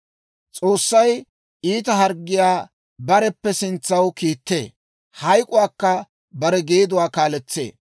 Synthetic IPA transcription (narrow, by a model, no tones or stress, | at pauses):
t͡sʼo̞ːsːɐj | iːt̪̬ɐɦɐɾɡːɪjaː | bɐɾɛpːɛsɪnt͡sːɐwkiːt̪ːe̞̰ː | hɐjkʼʊwaːkːɐ | bɐɾɛɡeːd̪ʊwaːkaːlɛt͡sːe̞̰ː